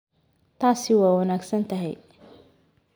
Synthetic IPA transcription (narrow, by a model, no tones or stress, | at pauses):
t̪aːsɪwaːwɐnaːɡsɐnt̪ʰɐɦɛ̰j